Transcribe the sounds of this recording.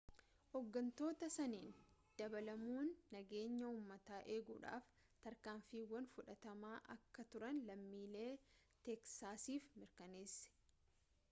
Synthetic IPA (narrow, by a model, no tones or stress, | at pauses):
hɔɡːɐnt̪o̞ːt̪ɐsɐniːnd̪̥ɐbɐlɐmuːnːɐɡe̞ːɲːɐuːmːɐt̪aːʔeːɡuːᶑa̰ːf | t̪ɐɾkaːɱfiːwɐnfʊᶑɐt̪ɐmaːʔɐ̰kːɐt̪ʊɾɐnlɐmːiːle̞ː | t̪ɛksaːsiːfmɪɾkɐne̞ːsːɛ̥